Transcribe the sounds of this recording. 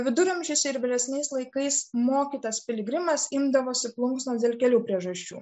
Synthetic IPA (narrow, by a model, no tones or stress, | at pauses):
ʋʲɪd̪ʊɾʲʊmʲʒʲɪsʲɛɪɾʋʲɪlʲɛsʲnʲɛɪslˠɐɪkɐɪsmoːkʲiːt̪ɐspʲɪlʲɪɡɾʲɪmɐsɪmd̪ɐʋoːsʲɪplˠʊŋksnoːsd̪ʲeːlʲkʲɛlʲuːpʲɾʲiɛʒɐsʲt͡ʃʲṵː